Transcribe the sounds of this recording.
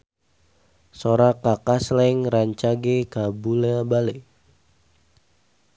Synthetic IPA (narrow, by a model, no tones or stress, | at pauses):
soɾakakaslɛŋraɲt͡ʃaɡekabulabale